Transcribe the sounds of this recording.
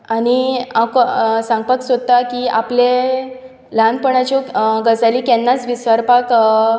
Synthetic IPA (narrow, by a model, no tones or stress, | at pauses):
aniaksãŋɡ̚paksəd̪̚t̪ːakia̰ple | lanpəɳat͡ɕɔɡəd͡zalikɛnːat͡sʋisəɾpak